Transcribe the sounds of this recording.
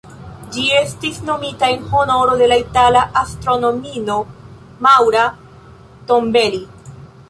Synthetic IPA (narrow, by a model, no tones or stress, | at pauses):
d͡ʒie̞stisno̞mitae̞nho̞no̞ɾo̞de̞laitalaʔastɾo̞no̞mino̞ | mawɾa | to̞mbe̞li